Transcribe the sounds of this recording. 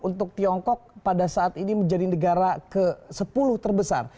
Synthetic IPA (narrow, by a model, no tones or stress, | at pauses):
unt̪ʊk̚t̪iɔŋkɔk̚padasaat̪iniməɲd͡ʒadinəɡaɾakəsəpulʊht̪ərbəsa̰r